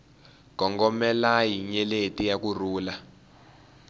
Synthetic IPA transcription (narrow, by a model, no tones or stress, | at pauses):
ɡ̥ʱɔŋɡɔmɛlajiɲɛletʼijak̬uruːla